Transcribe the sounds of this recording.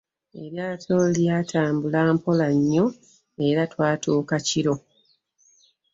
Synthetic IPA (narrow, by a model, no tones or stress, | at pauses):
e̞̰βjaːtʰo̞ljaːtʰaːmbulaːmpo̞laɲːo̞ | e̞ɾatwaːtuːkaciɾo̞